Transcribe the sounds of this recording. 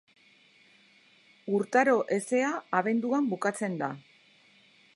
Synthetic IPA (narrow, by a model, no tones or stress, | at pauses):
uɾt̪aɾo̞ʔe̞se̞aːβe̞nd̪uambukat͡se̞nd̪a